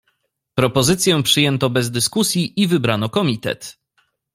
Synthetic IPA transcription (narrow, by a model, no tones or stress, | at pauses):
pɾɔpɔzɘt̪sʲjɛ̃pʂɘjɛnt̪ɔbɛzd̪ɘskusʲjiʔivɘbɾanɔkɔmʲit̪ɛ̰t̪